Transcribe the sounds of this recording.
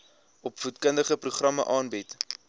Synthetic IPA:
ɔpfutkəndəχəpruχrɐmə̰ʔɑːnbit

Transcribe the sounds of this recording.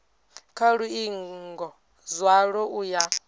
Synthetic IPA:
kʰaɺuiŋŋɡɔ | zwaɺɔuja

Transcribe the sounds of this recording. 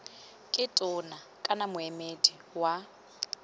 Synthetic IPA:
kʼɪtʼʊnakʼanamʊɛmediwa

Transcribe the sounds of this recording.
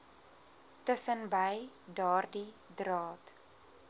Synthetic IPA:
təsənbəjdɑːrdidrɑːt

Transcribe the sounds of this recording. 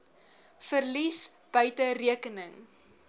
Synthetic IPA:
fərlisb̥œɥtəriəkənəŋ

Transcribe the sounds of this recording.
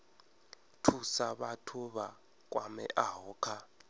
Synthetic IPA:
tʰusaɓatʰuɓa | k̬ʼwamɛ̰ʔaɦɔːkʰa

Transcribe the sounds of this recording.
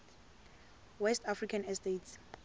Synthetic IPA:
wɛstʰafrikʰanɛstets

